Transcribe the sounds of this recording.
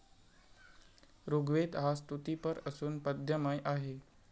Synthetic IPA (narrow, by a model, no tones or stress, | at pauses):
ɾoɡʋet̪ɦast̪ut̪ipəɾəsuːnpəd̪ʱjəmajʔaɦe